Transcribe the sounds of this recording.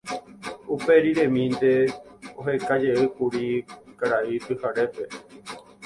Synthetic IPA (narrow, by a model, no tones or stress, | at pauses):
upe̞ɾiɾẽmĩnd̪e̞oɦe̞kad͡ʒeɨkuɾikaɾait̪ɨhaɾe̞pe̞